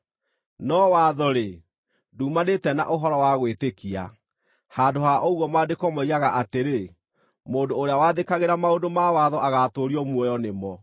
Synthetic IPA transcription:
nɔwaðɔɾe | duːmanetɛna̰ʔoɦɔɾɔwaɣwetekia̰ | haːdoɦaʔouɣɔmadekɔmɔiɾaɣaʔateɾe | moːdoːɾeawaðekaɣeɾamaodomawaðɔʔaɣatoɾiɔmwɔjɔnemɔ

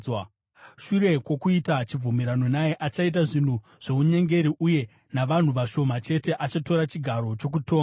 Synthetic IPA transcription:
ʃuɾe̞kwokuitat͡ʃib͡vumeɾano̞najeʔat͡ʃait̬aʐin̤u | ʐ̥e̞uɲe̞ŋɡe̞ɾiʔuje̞ | naʋan̤uʋaʃo̞mat͡ʃe̞te̞ʔat͡ʃato̞ɾat͡ʃiɡʱaɾo̞t͡ʃo̞k̬uto̞ːŋɡa

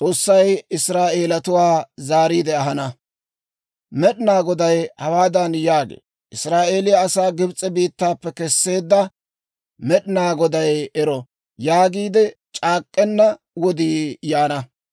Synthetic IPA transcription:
t͡sʼoːsːɐjɪsɾaːʔeːlɐt̪ʊwaːzaːɾiːd̪ɛɐɦɐnɐ | mɛɗɪnaːɡɔd̪ɐjhɐwaːd̪ɐnjaːɡḛː | ʔɪsɾaːʔe̞ːlɪjɐːsaːɡɪbt͡sʼːɛbiːt̪ːaːpːɛkɛsːe̞ːd̪ːɐ | mɛɗɪnaːɡɔd̪ɐjɛɾɔ | jaːɡiːd̪ɛt͡ʃʼaːkʼːɛnːɐ | wɔd̪iːjaːnɐ

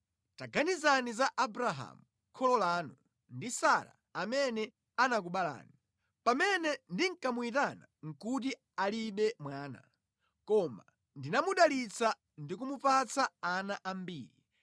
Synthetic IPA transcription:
taɡanizanizaʔabuɾaɦa̰mu | kʰɔlɔlaːnu | ndisaɾa̰ | amɛnɛ | anak̬uɓala̰ːni | pamɛnɛndiŋ̩kamuitana̰ŋ̩kut̬i | aliɓɛmwaːna̰ | kɔma̰ | ndinamuɗalit͡sa | ndik̬umupat͡saːnaʔambiːɾi

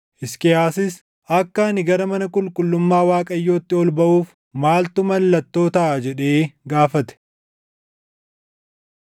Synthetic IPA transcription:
ʔɪskɛhaːsɪs | ɐkːɐnɪɡɐɾɐmɐnɐkʼʊlkʼʊlːʊmːaːwaːkʼɐjːo̞ːt̪ːɪɔlbɐʔuːf | maːlt̪ʊmɐlːɐt̪ːo̞ːt̪ɐʔːd͡ʒɛᶑe̞ːɡaːfɐt̪ɛ̥

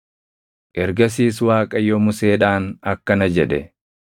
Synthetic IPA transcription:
ʔɛɾɡɐs̬iːswaːkʼɐjːɔmʊseːᶑaːnɐkːɐnɐd͡ʒɛᶑɛ

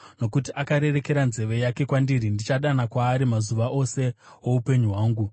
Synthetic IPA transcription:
no̞kutiʔakaɾe̞re̞ke̞ɾanze̞ʋe̞jake̞kwandiɾindit͡ʃaɗanakwaːɾimazuʋaʔo̞se̞ | wo̞upe̞ɲuɦwaːŋɡu

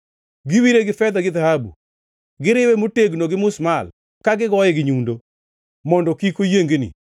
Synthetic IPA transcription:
ɡɪwiɾeɡɪfɛd̪aɡɪðahabṵ | ɡɪɾɪwemoteɡnoɡɪmʊsmal | kaɡɪɡɔjɛɡɪɲundo | mɔndɔkikojeŋɡenḭ

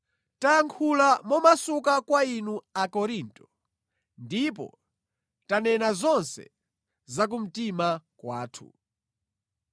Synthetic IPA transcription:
tajaŋkʰulamɔmasukakwainuakɔɾintɔ̥ | ndip̬ɔ̰ | tanɛnazɔnsɛ̰ | zak̬um̩timakwaːtʰṵ

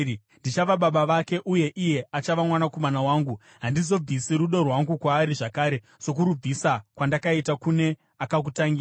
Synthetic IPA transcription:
ndit͡ʃaʋaɓaɓaʋake̞ʔuje̞ʔije̞at͡ʃaʋamwanakomanawaːŋɡu | ɦandizo̞b͡visiɾuɗo̞rwaŋɡukwaːɾiʐakaːɾe̞ | so̞k̬uɾub͡visakwandakaitakune̞ | akak̬utaŋɡiːaa

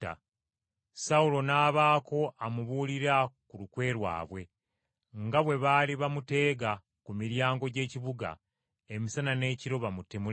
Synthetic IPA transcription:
saulo̞naːβaːko̞ʔamuβuːliɾakulukwe̞ːɾwa̰ːβwe̞ | ŋɡaβwe̞βaːliβamute̞ːɡa | kumiɾjaːŋɡo̞ɟe̞ːciβuɡa̰ | e̞misanane̞ːciɾo̞βamutemu

